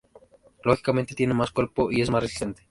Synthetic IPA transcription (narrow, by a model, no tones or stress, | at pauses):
loxi̥kament̪et̪je̞nemaskweɾpoʔie̞smasresi̥sent̪e̥